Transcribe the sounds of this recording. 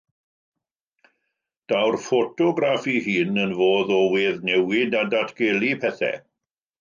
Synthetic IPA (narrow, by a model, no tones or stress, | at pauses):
d̥awrfɔtʰɔɡɾafiɦiːnənvoːðɔwɪðnɛwɪdadatʰɡ̥elˠipʰɛθɛ̰